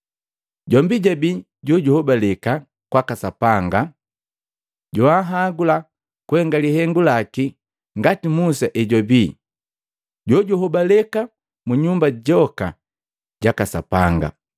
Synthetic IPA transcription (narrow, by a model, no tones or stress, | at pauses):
ɟɔmbiɟabi | ɟɔɟuhɔbalɛka | kwakasapaŋɡa | ɟɔaɦaɡula | kuhɛŋɡalihɛŋɡulaki | ŋɡatimusaʔɛɟɔbiː | ɟɔɟuhɔbalɛka | muɲumbaɟɔka̰ | ɟakasa̰paŋɡa̰